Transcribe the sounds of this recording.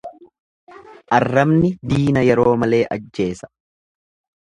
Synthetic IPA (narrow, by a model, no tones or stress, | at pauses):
ʔɐrːɐmnɪd̪iːnɐjɛɾo̞ːmɐle̞ːʔɐd͡ʒːe̞ːsɐ̥